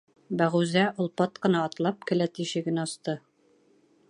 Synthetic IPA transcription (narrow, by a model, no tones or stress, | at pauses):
bæʁuzæʔŏlˠpɑt̪qɤ̆nɑːt̪lˠɑp̚kɘ̆læt̪iʃɘ̆ɡɘnɒst̪ɤ